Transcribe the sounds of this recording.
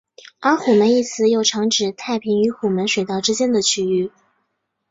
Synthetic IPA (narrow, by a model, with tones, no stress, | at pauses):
ə˞˧˥xu˨˩mə˧˥ni˥˩t͡sʰɹ̩˥˩jo˥˩ʊʈ͡ʂʰɑ˧˥ŋʈ͡ʂɻ̩˨˩t̪ʰa˥˩ɪpʰi˧˥ŋy˧˥xu˨˩mə˧˥nʂwe˨˩ɪt̪ɑ˥˩ʊʈ͡ʂɻ̩˥t͡ɕjɛ˥nd̪ə˨t͡ɕʰy˥y˥˩